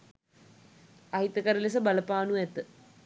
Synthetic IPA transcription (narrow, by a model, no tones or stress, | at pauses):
aɦit̪əkəɾəles̬əbaləpaːnuɛt̪ə